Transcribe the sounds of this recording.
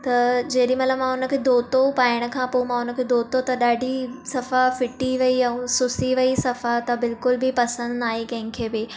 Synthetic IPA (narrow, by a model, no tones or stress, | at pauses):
t̪ɐd͡ʑɐːɗĩmɐt̪ləbmãʊnə̆kʰeːd̪ʱoːt̪opaːɪɽ̃ə̆kʰãːpomãʊnə̆kʰeːd̪ʱoːt̪ot̪ɐɗaːɖʱisɐfafɪʈiʋɐiɐ̃sʊsiʋɐisɐfat̪ɐbɪlkʊlbɪpɐsə̃nd̪aːɦekɐ̃ɦɪ̃ŋkʰeːbɪ